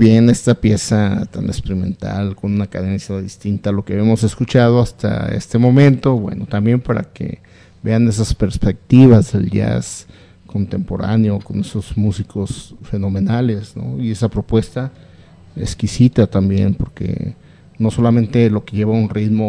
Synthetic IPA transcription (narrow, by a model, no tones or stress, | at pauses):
bjene̞st̪apje̞sat̪a̰nekspeɾimẽ̞̰nt̪a̰lko̞nunakað̞e̞nsjaðist̪int̪alo̞keaβemo̞se̞skut͡ʃað̞oast̪a̰ḛst̪e̞mõ̞mẽ̞nt̪o̞βwḛnot̪ambje̞mpaɾa̰kḛ | be̞ane̞s̬aspeɾspek̚t̪iβazðḛlda̰s | kont̪e̞mpo̞ɾa̰neoko̞nesozmusikʰosfe̞no̞mẽ̞nalesno̞̰ie̞sapɾopwe̞st̪a | ḛskisit̪at̪ambje̞̰npo̞ɾkḛ | no̞so̞lamẽ̞nt̪e̞lo̞ke̞ʝe̞βaunrit̪mo